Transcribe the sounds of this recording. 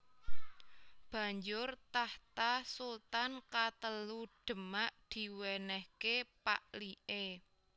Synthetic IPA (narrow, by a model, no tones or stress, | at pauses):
b̥ä̤ɲd͡ʒʊrt̪aht̪asult̪ankat̪əluɖ̥ə̤maʔd̪̥i̤wɛnɛhkepaʔliʔe